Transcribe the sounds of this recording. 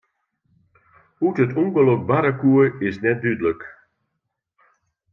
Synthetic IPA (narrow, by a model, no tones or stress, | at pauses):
utətʰɔŋɡəlok̚baɾakuəɪsnɛt̚dydələk